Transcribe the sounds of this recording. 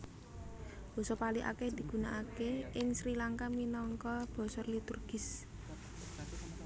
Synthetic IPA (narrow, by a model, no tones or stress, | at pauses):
b̥ɔ̤sɔpaliʔa̰kɛhd̪̥i̤ɡ̥ṳnaʔakeʔɪŋsɾilaŋkaminɔŋkɔb̥ɔ̤sɔrlit̪urɡ̥ɪ̤s